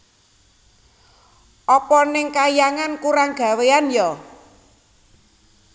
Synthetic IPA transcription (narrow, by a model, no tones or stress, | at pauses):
ʔɔpɔnɪŋkajaŋankuɾaŋɡ̥a̤weanjɔ